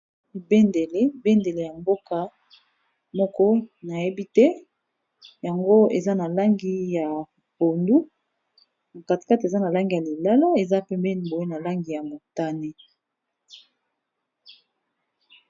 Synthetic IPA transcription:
be˦nde˨le˦be˦nde˨le˨ja˨mbo˦ka˨ | mɔ˦kɔ˦na˨je˦bi˦tɛ˦ | ja˨ŋɡo˦e˨za˦na˨la˦ŋɡi˦ja˨ | bo˨ndu˦˨ | ka˨tka˦te˨za˦na˨la˦ŋɡi˨ja˨li˨la˦la˦e˨za˦pɛ˦mbɛ˦ni˨bo˨e˦na˨la˦ŋɡi˨ja˨mo˨ta˦ne˦

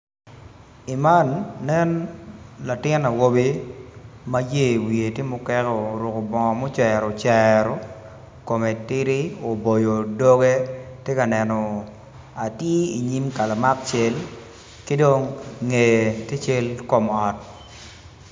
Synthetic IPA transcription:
i˨ma˦nːɛ˦nla˨tɪ˦na˨wo˦bi˦ | ma˦je˦˨wi˨e˨tje˦mʊ˨kɛ˦kɔ˦˨ɾʊ˨ko˨bɔ˨ŋɔ˨mɔ˦t͡ʃɛ˨ɾɔ˨t͡ʃɛɾɔ˨ | ko˨me˨tɪ˦ɾi˦o˨bo˨jo˨do˦ɡe˦tje˦ka˨nɛ˨nɔ˨ | a˨tji˦ḭ˨ɲi˦mka˨la˨ma˦k̚t͡ʃe˦l | kɪ˦do˦ŋːe˨te˦t͡ʃe˦lko˨mɔ˨t̚

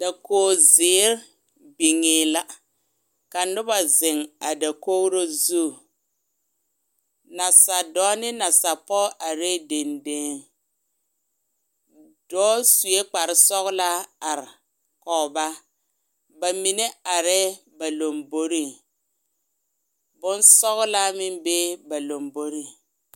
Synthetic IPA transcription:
d̥a˨koː˦zɪ˨˦ɾ | bi˨ŋɪ˨la˦ | ka˨nʊ˦ba˨zɪ˨ŋa˨da˨ko˦ɾo˦zu˦˨ | na˨sa˨dɔː˨˦nɪ˦na˨sa˨pɔ˦ʔa˨ɾe˦de˨nde˦ | d̥ɔː˦su˨e˦k͡pa˨ɾɪ˦sɔ˦ɣla˦a˨ɾ | kɔ˨ba˦ | ba˨mi˨ne˦a˨ɾɛː˦ | ba˨lo˨mbo˦ɾi˦ | bʊ˦nsɔ˦ɣla˦mɪ˦mbeː˦ba˨lo˨mbo˦ɾi˦˨ŋ

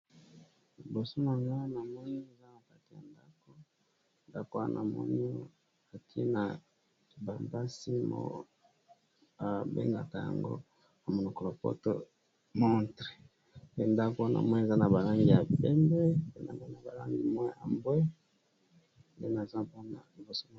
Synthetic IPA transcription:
li˨bo˨so˦na˨ŋa˦na˨mɔ˦ni˦e˨za˦na˨ka˦ti˨ja̰˨nda˦ko˦ | nda˦ko˦a̰˦nʔa̰˨mɔ̰˦ni˦ | a˨ti˦e˦na˨ | ba˨mba˦si˦mo̰˨˦ | a˨bḛ˦ŋɡa˨ta˨ja̰˨ŋɡo̰˦ | na˨mo˨no˨ko˨lo˨po̰˦to̰˦ | mɔ˦ntʁe˨ | pe˦nda˦ko˦wa˦nʔa̰˨mwa˦e˨za˦na˨ba˨la˦ŋɡi˨ja˨pɛ˦mbɛ˦pe˦na̰˨ma˦na˨ba˨la̰˦ŋɡi˨mwa˦a̰˨mbwe˦ | nde˦na˨za˦po˦na̰˨li˨bo˨so˦na˨

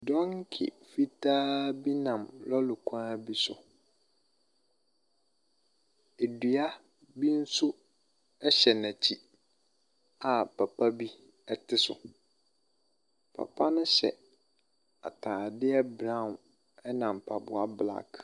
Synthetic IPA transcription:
dɔ̃˦ŋ˦kʰɪ̰˨ | fi˦tʰaː˦bi˦nã˨mlɔ˦lʊ˨kʰã˦bi˦sʊ˨ | e˨dɥa˦ | bi˦n̩˦sʊ˦ | ɛ˦ɕɛ˨næ̃˨t͡ɕʰi˦ | a˨pʰa˨pʰa˦bi˦ | ɛ˦tʰɪ˦sʊ̰˨ | pʰa̰˨pʰa˦nʊ̃˦ɕɛ̰˨ | a̰˨tʰaː˨dɪ˦ɛ˦bɾã˦˨n | ɛ˦nã˨m˨pʰa˨bʊ˨a˦bla̰˨k

